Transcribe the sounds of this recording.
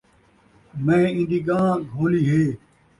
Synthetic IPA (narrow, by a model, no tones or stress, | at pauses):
mẽːɪ̃nd̪iːɡãːɡʱoːliːɦeː